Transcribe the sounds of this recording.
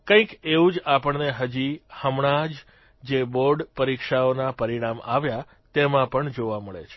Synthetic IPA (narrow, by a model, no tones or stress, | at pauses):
kə̃ĩkeʋũd͡ʒapəɳneɦəd͡ʒihəmɳ̃ad͡ʒ | d͡ʒeboɾɖpəɾikʃaonapəɾiɽ̃ama̰ʋja | t̪emãpəɳd͡ʒoʋaməɭḛt͡ʃʰe̥